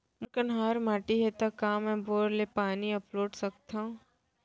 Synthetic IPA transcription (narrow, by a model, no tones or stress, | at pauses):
mʊkənɦaːɾmaːʈiɦet̪akaːmɛ̃boːɾlepaːniɐploːɖsɐkt̪aũ